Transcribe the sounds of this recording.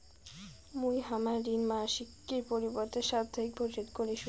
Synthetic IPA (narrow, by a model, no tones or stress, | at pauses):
mujɦamaɾinmaʃikːeɾpoɾiboɾt̪eʃad̪ʱːaik̚bʱoɾd͡ʑot̪koɾeʃu